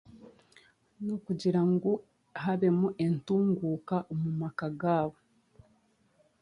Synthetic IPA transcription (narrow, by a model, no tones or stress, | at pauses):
nokuɟiɾaŋɡo | ɦaβe̞muʔe̞ntuːŋɡuːkaʔomumakaɡaːβo